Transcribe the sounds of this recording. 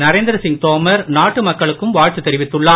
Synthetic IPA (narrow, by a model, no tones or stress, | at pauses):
nɐɾeːnd̪ɪɾɐsɪŋ̚t̪oːmɐɾnaːʈːɯmɐkːɐɭɯkːɯmʋaːɻt͡ʃ̪ɯt̪ːɛɾɪʋɪt̪ːɯɭːaː